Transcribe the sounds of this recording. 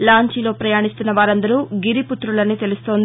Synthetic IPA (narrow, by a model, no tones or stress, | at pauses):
laːɲt͡ʃilo̞ːpɾɐjaːɳist̪unːɐʋaːɾɐnd̪ɐɾuːɡiɾiput̪ɾulɐniːt̪e̞lust̪o̞ːnd̪i